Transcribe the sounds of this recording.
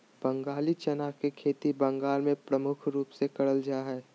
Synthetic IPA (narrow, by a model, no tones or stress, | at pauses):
b̥ə̃ŋɡaːlit͡ʃənaːkekʰeːt̪ibə̃ŋɡaːlmẽpɾəmʊkʰɾuːpsekɐɽəld͡ʒaːɦɛː